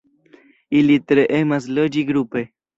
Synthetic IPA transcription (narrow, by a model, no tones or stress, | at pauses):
ilit̪ɾeʔemaslod͡ʒiɡɾupe